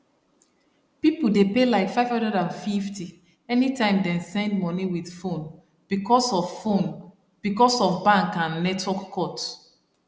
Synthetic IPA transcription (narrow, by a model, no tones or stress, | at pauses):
pipodepelaɪkfaɪv̥ɔ̃ndɛdãnfifti | ɛnitʰãɪ̃mdɛ̃nsɛ̃ndmɔniwið̥fõn | b̥ikʰɔsɔvfon | b̥ikɔsɔvbãŋkãnːɛtʰwɔkːʰɔt